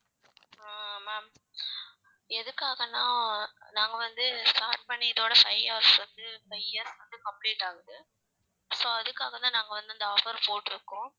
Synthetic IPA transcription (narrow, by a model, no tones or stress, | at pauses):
aːmːaːm | ɛðɯkːaːɣɐnãːnaːŋɡɐʋɐnd̪ɯsʈaːɾʈ̚pɐɳːɪɐðoːɽɐfɐɪjaːɐɾsʋɐnd̪ɯfɐɪɐɾsʋɐnd̪ɯkɐmpliːʈːaːɣɯðɯ | soːɐðɯkːaːɣɐt̪ãːnaːŋɡɐʋɐnd̪ɯɐnd̪ɐɔfɐɾpoːʈːɯɾɯkːʊ̃ː